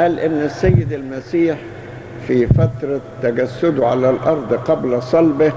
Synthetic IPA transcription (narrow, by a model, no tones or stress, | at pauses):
ʔæːlʔɪnːɪsːajːɪd̪almasiːħ | fifat̪ɾˤɑt̪ːaɡasːʊd̪ʕa̰lalʔɑɾˤd̪ˤqɑblasˤɑlbɪ